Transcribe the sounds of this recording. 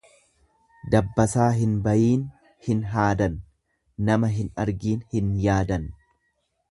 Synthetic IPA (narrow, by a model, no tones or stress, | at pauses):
d̪ɐbːɐsaːɦɪnbɐjiːn | hɪnɦaːd̪ɐnː | ɐmɐɦɪnɐɾɡiːnhɪnjaːd̪ɐn